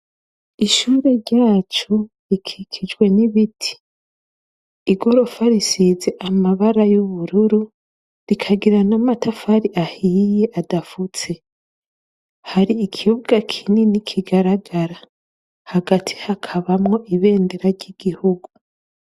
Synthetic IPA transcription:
iʃuːɾe̞ɾɟaːt͡ʃu | ikʰikʰid͡ʒwe̞niβitʰi̥ | iɡoɾo̞faɾisizeʔamaβaɾajuβuɾuɾu | ɾikʰaɡiɾanamatʰafaɾiʔahijeʔadafut͡se̞ | haɾiːkʰihubɡakʰininikʰiɡaɾaɡaɾa | haɡatʰi̥hakʰaβamŋo̞ʔiβe̞ːndeɾaɾɟiɡ̥ihuɡu

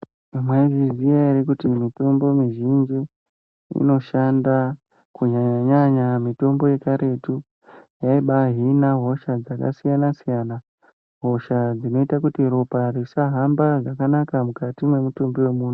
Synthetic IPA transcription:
mwaiviziaeɾikutimito̞mbo̞miʒind͡ʒi | ḭno̞ʃanda | kuɲaɲaɲamito̞mbo̞je̞kaɾe̞tu | jaiɓaɦinaɦo̞ʃad͡zaka̰sijanasijana | ɦo̞ʃad͡zino̞itakutiɾo̞parisaɦambad͡zakanakamukatimwe̞mutombewe̞muːn̤u

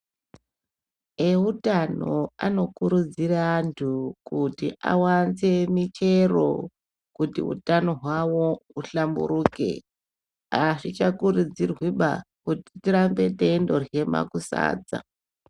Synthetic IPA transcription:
eutanoano̞kuɾud͡zirantʰukutiʔa̰wanze̞mit͡ʃe̞ro̞̰ | kutḭɦṵtano̞ɦwawo̞uɬambṵɾuke̞̰ | aʂit͡ʃakuɾud͡zirwiɓakuti̥tiɾambe̞te̞ndo̞rje̞ma̰kusa̰ːd͡za̰

